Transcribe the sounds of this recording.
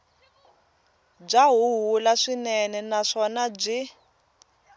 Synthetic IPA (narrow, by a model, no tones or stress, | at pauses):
b͡ʐaɦuɦulaʂinɛnɛnaʂɔnab͡ʐi